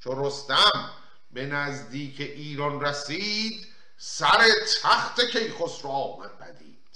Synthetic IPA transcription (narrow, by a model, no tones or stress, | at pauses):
t͡ʃʰoɾost̪æm | be̞næzd̪iːkʰeʔiːɾɒnræsiːd̪ | sæɾet̪ʰæxt̪ʰekʰe̞jχosɾɒːmæ̰nbʰæ̰d̪ḭːd̪̥